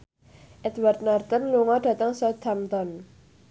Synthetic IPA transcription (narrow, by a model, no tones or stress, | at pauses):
ʔɛd̪wart̪nart̪ɔnluŋɔɖ̥a̤t̪əŋsɔd̪amt̪ɔn